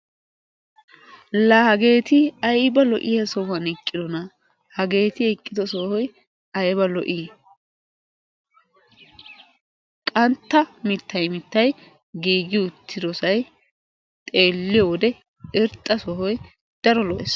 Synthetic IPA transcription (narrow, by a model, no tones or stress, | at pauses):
lɐhɐɡe̞ːt̪ɪɐjbɐlɔʔɪjɐsɔhɐnɛkʼːɪd̪ɔnɐ | hɐɡe̞ːt̪ɪɛkʼːɪd̪ɔsɔhɔj | ɐjbɐlɔʔiː | kʼɐnt̪ːɐmɪt̪ːɐjmɪt̪ːɐj | ɡiːɡɪʊt̪ʰːɪd̪ɔsɐj | t̪ʼe̞ːlːɪjɔwɔd̪ɛ | ɛɾt̪ʼːɐsɔɦɔj | d̪̥ɐɾɔlɔʔɛs